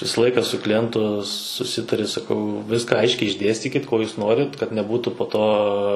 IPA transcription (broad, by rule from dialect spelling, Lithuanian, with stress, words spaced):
ˈʋʲɪsɐ ˈlˠɐɪkɐ sʊ klʲɪˈjɛntʊ sʊˈsʲɪtɐrʲɪ sɐˈkɐʊ ˈʋʲɪskɐ ˈɐɪʃʲkʲɛɪ ɪʒʲˈdʲeːsʲtʲiːkʲɪt koː ˈjuːs ˈnoːrʲɪt kɐt nʲɛˈbuːtʊ poː ˈtoː